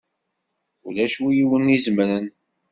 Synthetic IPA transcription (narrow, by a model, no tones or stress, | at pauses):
ulæʃujiwənizmɾən